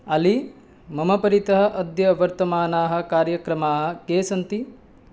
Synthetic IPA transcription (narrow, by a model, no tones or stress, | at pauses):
ɐli | mɐmɐpɐɾit̪ɐɦɐ̆ʔɐd̪jɐʋɐɾt̪ɐmaːnaːɦɐ̆kaːɾjɐkɾɐmaːɦɐ̆keːsɐnt̪i